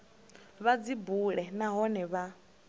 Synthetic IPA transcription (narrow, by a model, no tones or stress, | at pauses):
βad͡zibuɺɛnaɦɔnɛβa